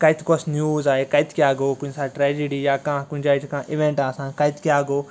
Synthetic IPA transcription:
kɐjt̪ʰkosnjuːzaːekɐjt̪ʰkjaːɡoːkʊnsaːʈɾɛːd͡ʒiɖiːjaːkãːkʊnd͡ʒaːt͡ʃkãːʔɪʋẽɳʈaːsãːkɐjt̪kjaːɡoː

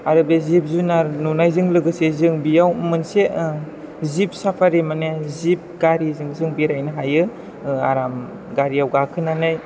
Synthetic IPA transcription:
aɾɯb̚ezip̚zunaɾnunajzɯŋlɯɡɯsezɯŋbijawmɯnse | zip̚sapʰaɾimanezip̚ɡaɾizɯŋzɯŋbiɾajnɯɦajɯ | aɾam | ɡaɾiawɡakʰɯnanaj

